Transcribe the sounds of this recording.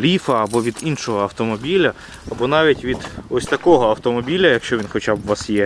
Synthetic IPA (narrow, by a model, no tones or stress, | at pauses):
lʲifɐːbɔʋʲid̪inʃɔɦɔɐwt̪ɔmɔbʲilʲɐ | ɐbɔnɑʋʲitʲʋʲid̪ɔsʲt̪ɐkɔɦɔɐwt̪ɔmɔbʲilʲɐjɐkʃt͡ʃɔʋʲinxɔt͡ʃabʋɑsjɛ